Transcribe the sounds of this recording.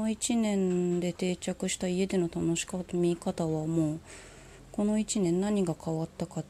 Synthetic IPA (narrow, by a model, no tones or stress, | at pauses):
oit͡ɕinẽ̞nd̪e̞t̪e̞ːt͡ɕakɯ̟ɕi̥t̪aie̞d̪e̞no̞t̪ano̞ɕi̥kamʲikat̪aβamo̞ː | ko̞no̞it͡ɕinẽnːaɲ̟iɡakaβat̪ːaka